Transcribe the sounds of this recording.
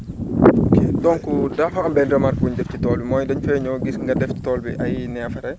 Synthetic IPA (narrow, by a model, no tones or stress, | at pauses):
okʰeːdɔnkudɐfɐɐmbɛndɾɐmaɾkbuɲdɛfcitɔːlbimɔːjdɐɲfɛɲɔɡisŋɡɐdɛfci̥tɔlbiʔɐjnɛfɐɾɛ